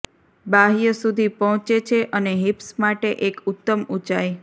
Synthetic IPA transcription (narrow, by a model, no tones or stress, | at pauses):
baɦijəsud̪ʱipɔɦt͡ʃet͡ʃʰeʔəneɦipsmaʈeʔekut̪ːəmut͡ʃaj